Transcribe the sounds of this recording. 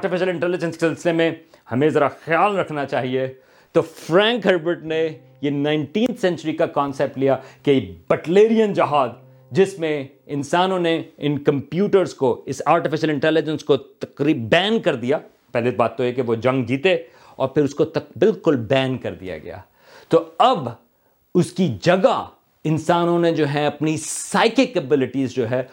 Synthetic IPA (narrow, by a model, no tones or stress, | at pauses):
aːʈɪfɪʃəlɪ̃ɳʈɛːlɪd͡ʒə̃nsksɪlsɪlemẽhɐmẽzɐɾaxjaːlɾɐkʰnat͡ʃaːɦie | t̪ofɾɛ̃ːŋkɦɐɾbəʈne | jenãɪ̃ɳʈĩːnt̪ʰsɛ̃nt͡ʃəɾikakɔːnsɛːp̚ʈlijakebɛʈleːɾijənd͡ʒɐɦaːd̪ | d͡ʒɪsmẽ | ɪ̃nsaːnõneɪnkɐ̃mpjuːʈəɾzkoɪsaːɾʈɪfɪʃəlɪ̃ɳʈɛːlɪd͡ʒə̃nskot̪ɐkɾiːb̚bɛ̃ːnkɐɾd̪ija | pɛɦlebaːt̪ːoɛkeʋod͡ʒɐ̃ŋɡd͡ʒiːt̪e | ɔːɾpʰɪɾʊskot̪ɐkbɪlkʊlbɛ̃ːnkɐɾd̪ḭja̰ɡɐ̰ja̰ː | t̪oɐb | ʊskid͡ʒɐɡa | ɪ̃nsaːnõned͡ʒoːɦɛɐpnisaːɪkekɐbɪlɪʈiːzd͡ʒoːɦɛː